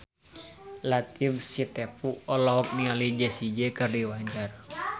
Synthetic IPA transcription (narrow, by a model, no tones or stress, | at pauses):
lat̪ifsit̪ɛpuɔlɔɔp̚nialid͡ʒɛsid͡ʒɛkərdiwaɲd͡ʒar